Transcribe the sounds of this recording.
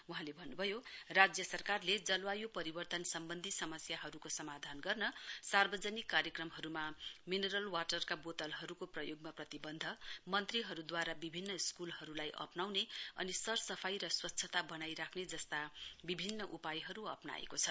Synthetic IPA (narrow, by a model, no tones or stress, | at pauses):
uɦãlebʱʌnːubʱʌjorad͡zjʌsʌrkarled͡zʌlwajopʌɾibʌrt̪ʌnsʌmbʌnd̪ʱisʌmʌsjaɦʌɾukosʌmad̪ʱanɡʌrnʌsarbʌd͡zʌnikːaɾjʌkrʌmɦʌɾumamineɾʌlwaʈʌrkabot̪ʌlɦʌɾukoprʌjoɡ̚maprʌt̪ibʌnd̪ʱʌmʌnt̪riɦʌɾud̪waɾabibʱinːʌskulɦʌɾulajʔʌ̰pnawneʌ̰nisʌrsʌpʰajɾʌswʌtːʰʌt̪abʌnajɾakʰned͡zʌst̪abibʱinːʌʔupajɦʌɾuʌ̰pna̰ḛkot͡sʰʌ